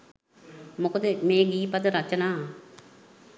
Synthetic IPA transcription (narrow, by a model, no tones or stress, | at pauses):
mʊkt̪emeːɡiːpət̪ɾət͡ʃənaː